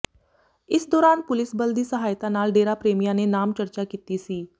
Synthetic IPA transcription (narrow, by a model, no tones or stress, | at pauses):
ɪsd̪ɔːɾaːnpʊlɪsbəld̪iːsəɦaːjt̪ãːnaːlɖeːɾaːpɾeːmijãːneːnaːmt͡ʃəɾt͡ʃaːkiːt̪iːsiː